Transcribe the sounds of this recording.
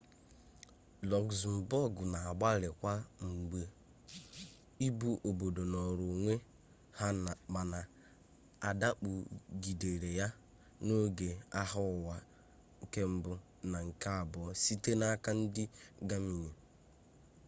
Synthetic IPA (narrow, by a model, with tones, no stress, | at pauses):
lɔ˨ɡzm̩˨bɔ˦ɡʊ˨na˨a˨ɡ͡ba˦lɪ˨kʷa˦ŋ͡m̩˨ɡ͡be˦ | i˦bu˦ʔo˨bo˨do˨nɔ˨ɾu˨ŋʷe˦ | ha˦˨k͡pa˨na˨ | a˨da˦k͡pu˨ɡi˨de˨ɾe˨ja˦ | no˦ɡe˨a˦ɦʊ˦˨wa˨ | ŋ̩˦ke˦m̩˦bʊ˦ | na˨ŋ̩˨ka˦a˨bɔ˨˦si˦te˦na˦ka˦n̩˦dɪ˦ɡa˦mi˨ɲe˨